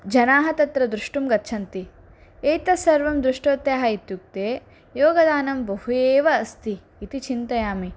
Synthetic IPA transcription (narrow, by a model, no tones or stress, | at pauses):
d͡ʒɐnaːɦɐt̪ɐt̪ɾɐd̪ɾuʂʈumɡɐtːt͡ʃʰɐnt̪i | ejt̪ɐsɐɾʋɐmd̪ɾuʂʈoːt̪jaːɦɐit̪juk̚t̪eː | joːɡɐd̪aːnɐmbɐɦujeːʋɐːst̪iː | t̪it͡ʃint̪ɐjaːmi